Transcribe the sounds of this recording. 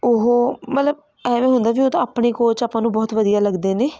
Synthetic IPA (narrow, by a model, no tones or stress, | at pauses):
ʊɦoːmət̪ləb̚ | ɛːʋẽːɦʊnd̪aːbiːoːt̪õaːpɳeːkoːt͡ʃaːpːãːnũːbɔːt̪ʋəd̪ijaːləɡd̪eːneː